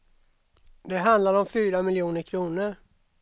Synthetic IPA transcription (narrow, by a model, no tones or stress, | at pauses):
d̪ɛɦand̪laɾɔmfyːɾamɪljuːnəɾkʰɾuːnəɾ